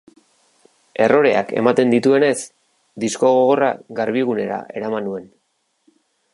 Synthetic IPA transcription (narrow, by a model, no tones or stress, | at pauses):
e̞ro̞ɾe̞̰a̰ke̞̰mat̪e̞nd̪it̪ue̞ne̞s | d̪isko̞ɣoɣora̰ɣaɾβiɣ̞une̞ɾa̰e̞ɾamanue̞n